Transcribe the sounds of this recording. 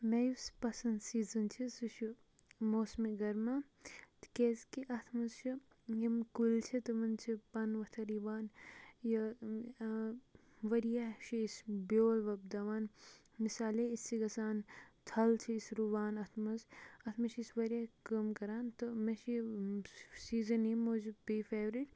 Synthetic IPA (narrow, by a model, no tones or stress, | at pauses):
mejuspɐsɐnd̪siːzɐnt͡ʃʰisut͡ʃʰi | moːsmeɡɐɾma | t̪kezkiʔɐt̪ʰmɐzt͡ʃʰi | jimkult͡ʃʰit̪ɨmɐnt͡ʃʰipɐnʋɐt̪ʰɐɾiʋaːnjɐ | ʋɐɾijaʃʰiisbʲoːlʋɐb̚d̪ɐʋaːn | misaːleissiɡɐsaːnt̪ʰɐlt͡ʃʰiisɾuʋaːnɐt̪ʰmɐzɐt̪ʰmɐʃisʋɐɾjakɐmkɐɾaːnt̪ɨmɐʃi | siːzɐnimoːd͡ʒbifeːʋɾiʈ